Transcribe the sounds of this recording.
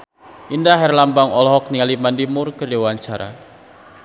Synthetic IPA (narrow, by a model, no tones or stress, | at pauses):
ʔindaɦɛrlambaŋɔlɔɦɔk̚niŋalimandimʊrkərdiwaɲt͡ʃaɾa̰